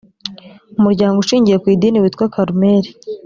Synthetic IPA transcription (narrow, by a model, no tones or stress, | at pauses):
umuɾɟaːŋɡouʃiːɲɟije̞kwiːdiːniwiːt̪kwakʰaɾumeɾi